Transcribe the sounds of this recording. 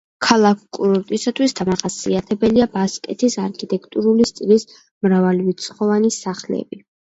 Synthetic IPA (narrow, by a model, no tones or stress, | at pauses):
kʰalˠakʰkʼuɾɔɾt̪ʼisat̪ʰwisd̪amaχasiat̪ʰɛbɛliabaskʼɛt̪ʰisaɾkʰit̪ʼɛkʰt̪ʼuɾulist̪sʼlis | mɾavalivit̪sʰχɔvanisaχlɛ̰bi